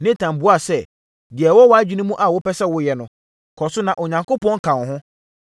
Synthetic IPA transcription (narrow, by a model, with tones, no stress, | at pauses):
nɪ̃˦tʰã˨m˨bu˦a˨sɛ˦ | dɪ˨ɛ˨wɔ˦wɔ˦a˦d͡ʑᶣi˦nũ˦mũ˦ʔa˨wʊ˦pʰɛ˦sɛ˦wʊ˦jɛ˨nʊ̃˨ | kʰɔ˨sʊ˦nã˨ʔɔ˨ɲã˨ŋko˦pɔ̃˦ŋ̩˦kʰã˨n˨hʊ̃˦